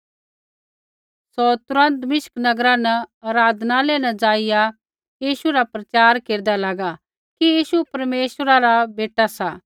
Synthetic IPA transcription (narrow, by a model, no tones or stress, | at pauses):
sɔt̪ʊɾə̃nt̪mɪʃknɐɡɾãnɐɐɾaːd̪ʱnalenɐd͡zaːɪja | jiːʃuɾapɾɐt͡ʃaːɾkeːɾd̪alaːɡa | kijiːʃupɐɾmeːʃwəɾaɾabeːʈasaː